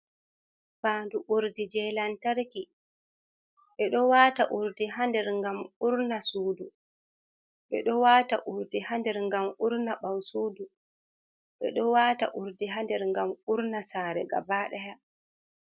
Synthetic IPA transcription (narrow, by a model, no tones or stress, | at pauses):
baːnduʔuɾdid͡ʒɛlantaɾki | ɓɛɗɔwaːtaʔuɾdiɦandɛɾŋɡamuɾnasuːdu | ɓɛɗɔwaːta̰ʔuɾdihandɛɾŋɡamuɾnaɓawsuːdu | ɓɛ̰ɗɔwaːta̰ʔuɾdiɦandɛɾŋɡamuɾnasaːɾɛɡa̰baːɗɛja